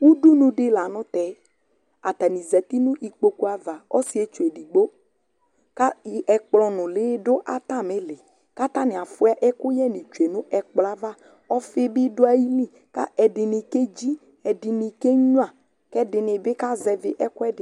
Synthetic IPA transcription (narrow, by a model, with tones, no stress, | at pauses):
wu˦du˦nũ˨ɖɪ˦la˨nʊ̃˦t̪ɛ˨˦ | a˨t̪a˨nĩ˨zɛ˨t̪i˦nũ˦ʔi˨k͡po˦ku˦a˨va˨ɔ̰˦si˦e˨t͡ʃu˨e˨di˨ɡ͡bo˦ | ka˦˨˦ʔɛ˨k͡plɔ˨nʊ̃˨leː˨˦dʊ˦ʔa˨t̪a˦˨me˦lɪ˨ | ka˦t̪a˦nɪ˨a˨fʊ˦a˦ʔɛ˦kʊ˦jɛ˦nĩ˨t͡ʃu˨e˨nʊ̃˦ʔɛ˨k͡pla˦va˦ | ɔ˦fɪ˦bɪ˦dʊ˦a˨ji˦lĩ˦˨ | ka̰˦ɛ˨dɪ˨nɪ˨ke˦d͡ʒi˦ | ɛ˨dɪ˨nɪ˨ke˦ɲu˦a˨ | kɛ˦dɪ˨nɪ˨bɪ˦ka˦zɛ˨vɪ˨ʔɛ˦kʊ˦ɛ˦dɪ˨